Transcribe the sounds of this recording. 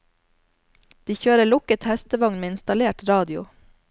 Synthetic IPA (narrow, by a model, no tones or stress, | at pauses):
d̪̥iːçøːɾəɭʊkət̪hɛst̪əʋɑŋnmeːɪnst̪ɑleːʈɾɑːd̪ɪʊ̰